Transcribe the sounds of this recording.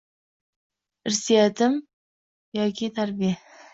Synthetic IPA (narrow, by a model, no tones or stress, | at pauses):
ɪɾsijat̪ɪm | jɒkʰʲit̪ʰaɾbija